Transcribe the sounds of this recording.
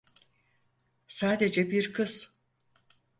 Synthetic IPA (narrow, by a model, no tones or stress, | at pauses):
saːd̪ed͡ʒɛbiɾkʰɯz̥